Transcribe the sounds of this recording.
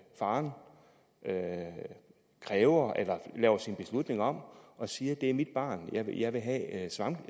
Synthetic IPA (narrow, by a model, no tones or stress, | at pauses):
fɑ̈ːn | ʔø | kʰʁɛːʊɐʔelɐlɛ̰ːʊɐsinb̥e̝slud̥ne̝ŋɒ̽m̰ʔɒ̽siːɐd̥e̝æɐmid̥̚b̥ɑ̰̈ːnjɑɪjɑ̈ɪʋe̝ɦɛ̰sʋɑ̈m